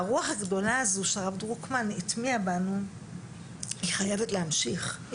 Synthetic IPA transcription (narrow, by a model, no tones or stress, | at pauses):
aʁuaχaɡdo̞laːzuʃeaʁavdʁukmanitmiabanu | hiχajevetlehamʃiχ